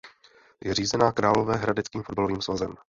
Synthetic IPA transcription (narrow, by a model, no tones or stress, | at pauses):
jɛr̝iːzɛnaːkɾaːlo̞vɛːɦɾadɛt͡skiːmfod̚balo̞viːmsvazɛm